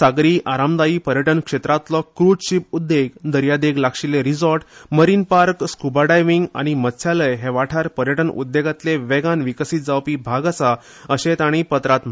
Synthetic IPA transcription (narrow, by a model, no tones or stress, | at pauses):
saɡɾiːʔaɾamd̪aiːpəɾjəʈənkʂet̪ɾat̪lɔkɾud͡zɕipud̪ːeɡd̪əɾjad̪eɡlakʂileɾid͡zɔɾʈməɾinpaɾkskubaɽajʋiŋɡa̰ɽ̃imət̪sʰjaləjɦeʋaʈʰaɾpəɾjəʈənṵd̪ːeɡat̪leʋɛɡanʋikəsit̪̚d͡zawpibʱaɡasa | əɕet̪aɽ̃ipət̪ɾat̪m̤